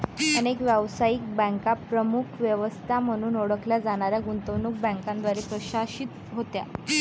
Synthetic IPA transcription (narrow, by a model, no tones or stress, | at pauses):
ənekʋjəʋsaiːk̚bə̃ŋkapɾəmukʰʋjəʋəst̪ʰam̤əɽ̃uːnoɽəkljad͡zaɳ̃aɾjaɡunt̪əʋnuk̚bə̃ŋkãnd̪ʋaɾiːpɾəɕaɕit̪ | ɦot̪ja̰